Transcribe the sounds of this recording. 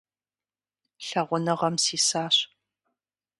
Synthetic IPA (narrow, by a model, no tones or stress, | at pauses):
ɬɐʁʷʊnɨʁɐmsiːsaːɕ